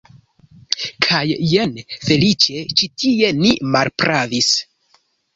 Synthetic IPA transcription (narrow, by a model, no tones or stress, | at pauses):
kʰajːenfe̞lit͡ʃe̞t͡ʃitʰie̞nimaɾpɾʔavis